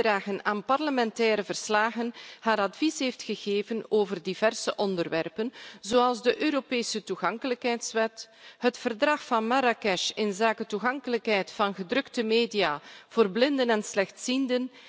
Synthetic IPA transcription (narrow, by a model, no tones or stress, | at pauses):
ɾaːɣənaːnpɑrləmɛntɛːɾəvərslaːɣənhaːɾɑtvisɦeːftxəɣeːvənoːvərdiv̥ɛrsəʔɔndərʋɛ̰rpənzoːɑlˠzdəʔøːɾopeːsətuɣɑŋkələkɦɛjtsʋɛt | ɦətfərdrɑxfɑnmaɾakɛʃɪnzaːkətuɣɑŋkələkɦɛjtfɑnɣədrɵktəmeːdijaːv̥oːrblɪndənɛnslɛxtsindən